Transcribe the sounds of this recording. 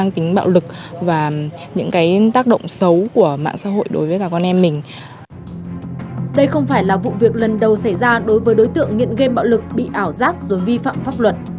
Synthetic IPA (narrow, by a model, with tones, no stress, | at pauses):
a˧ŋt̪ï˨˦ŋ̟ɓa̰ː˧˨wlɨ˨˩k̚vaː˨˩ɲɨ̰˧˥ŋkaː˨˦jt̪aː˦˥k̚ɗə̰˧˨wŋ͡msə˨˦wku˧˩əma̰ː˧˨ŋsa̰ː˧˥ɦo̰˧˨jɗo˨˦jvəː˨˦kaː˧˩kɔ˧nʔɛ˧mːï˨˩ŋ̟ | ɗə˧jxə˧wŋ͡mfaː˧˩jlaː˨˩vṵ˧˨vi˨˩ək̚lə˨˩nɗə˨˩wsa˧˩jzaː˧ɗo˨˦jvəː˨˦jɗo˨˦jt̪ɨ̰˧˨əŋŋḭ˧˨ənɣə˧ɓa̰ː˧˨wlɨ˨˩k̚ɓḭ˧˨ʔaː˧˩wzaː˦˥k̚zo˨˩jvi˧fa̰ː˧˨mfaː˦˥p̚lwə˨˩t̚